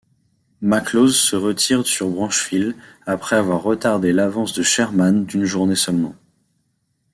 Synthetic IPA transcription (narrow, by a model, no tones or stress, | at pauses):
maklozsəʁət̪ʰiʁsyʁbʁɑ̃ʃfilapχɛavwaʁːət̪aʁd̪elavɑ̃sd̪əʃɛʁmand̪ynʒuʁnesœlmɑ̰̃